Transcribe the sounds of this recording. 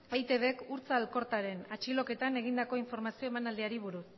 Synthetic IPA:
fejt̪e̞βe̞kuɾt͡salko̞ɾt̪aɾe̞nat͡ʃilo̞ke̞t̪ane̞ɣ̞ind̪ako̞iɱfo̞ɾmasio̞e̞manald̪iaɾiβ̞uɾus

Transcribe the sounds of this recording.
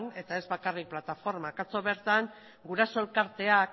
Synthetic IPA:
ne̞t̪ae̞zβakarik̚plat̪afo̞ɾmakat͡so̞βe̞ɾt̪aŋ | ɡuɾaso̞elkaɾt̪e̞ak

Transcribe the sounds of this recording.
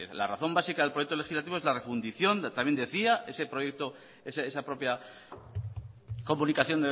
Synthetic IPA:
ela̰raθo̞mbasikaðelpɾjekt̪o̞lexizlat̪iβoezlarefund̪iθjo̞nt̪amje̞nd̪e̞θiaʔe̞se̞pɾojek̚t̪o | eseesapɾo̞pja | ko̞munikaθjo̞nd̪e

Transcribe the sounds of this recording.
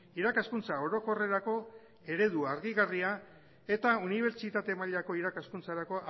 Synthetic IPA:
iɾakaskunt͡sao̞ɾo̞ko̞re̞ɾako̞ | e̞ɾe̞ðuaɾɣiɣaria | e̞t̪auniβ̞e̞ɾt͡ʃit̪at̪e̞maʎako̞iɾakaskunt͡saɾako̞

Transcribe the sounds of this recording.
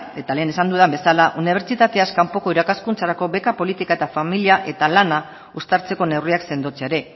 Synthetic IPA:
e̞t̪ale̞ːne̞sand̪uðambe̞salaʔuniβ̞e̞ɾt͡ʃit̪at̪e̞askampo̞ko̞iɾakaskunt͡saɾako̞βe̞kapo̞lit̪ikaet̪afamiliaʔe̞t̪alana | ust̪aɾt͡se̞ko̞ne̞wriakse̞nd̪ot͡seaɾe̞

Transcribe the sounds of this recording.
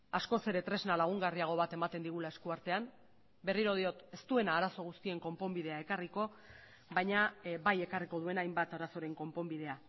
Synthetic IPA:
asko̞se̞ɾe̞t̪ɾe̞znalaɣ̞uŋɡariaɣ̞o̞β̞at̪e̞mat̪e̞nd̪iɣ̞ulae̞skuaɾt̪e̞am | be̞riɾo̞ð̞io̞t̪e̞st̪ue̞naːɾaso̞ɣ̞ust̪ie̞ŋko̞mpo̞mbið̞e̞ae̞kariko̞ | bajɲabaje̞kariko̞ð̞ue̞najmbat̪aɾaso̞ɾe̞ŋko̞mpo̞mbið̞e̞a

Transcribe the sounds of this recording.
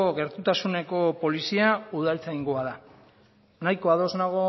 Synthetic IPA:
oɣe̞ɾt̪ut̪asune̞ko̞po̞lisiauð̞alt͡saiŋɡoaða | najko̞aðo̞znaɣ̞o̞

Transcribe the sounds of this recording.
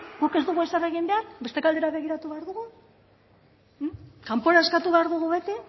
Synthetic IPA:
ɡuke̞zd̪uɣue̞sare̞ɣimbeat̪be̞st̪e̞kald̪e̞ɾaβe̞ɣ̞iɾat̪uβeaɾðuɣu | kampo̞ɾaeskat̪uβe̞aɾðuɣ̞uβe̞t̪i

